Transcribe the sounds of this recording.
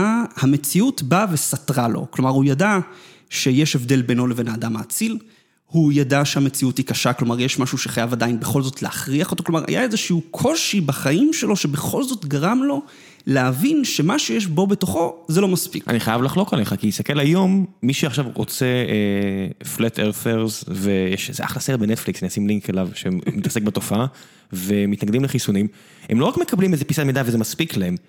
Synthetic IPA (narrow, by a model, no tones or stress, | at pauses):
ahame̞t͡siutbavesatʁalo̞̰klo̞maʁujada | ʃe̞jeʃevd̪e̞lbe̞no̞levenaːdamaːt͡sil | hujadaʃeame̞t͡siuthikaʃaklo̞maʁjeʃmaʃuʃeχajavadainbeχo̞lzo̞tleaχʁiaχoto̞klo̞maʁha̰jaezeʃiukʰo̞ʃibaχaimʃe̞lo̞ʃe̞be̞χo̞lzo̞tɡaʁamlo̞ | lehavinʃe̞maʃujeʃ̬bo̞be̞t̪o̞χo̞zelo̞maspḭkʔa̰niχajavlaχlo̞kale̞χakiist̪akelajo̞mːiʃeaχʃavʁo̰t͡seeflet̪ʰeʁθeʁzvejɛʃzḛʔa̰χlasetbenet̪fliksaniasimliŋkelavʃemmit̪ḁsek̚beto̞faa | vemːit̪naɡd̪imleχisunim | hemlo̞ʁakme̞kablimezepisatmed̪avezemaspiklaem